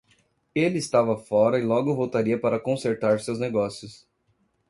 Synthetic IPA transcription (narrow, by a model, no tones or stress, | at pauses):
elɪɪst̪avɐfɔɾɐɪlɔɡʊvowt̪aɾiɐpaɾɐkõseɾt̪aɾsewzneɡɔsjʊs